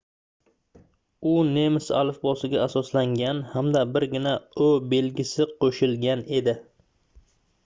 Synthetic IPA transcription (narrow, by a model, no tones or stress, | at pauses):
ʊne̞mɪsa̰lɪfbɒsɪɡʲaːsɒslaŋɡʲanhamd̪abɪɾɡʲɪnaobe̞lɡʲɪsɪqʰoʃɪlɡʲane̞d̪ɪ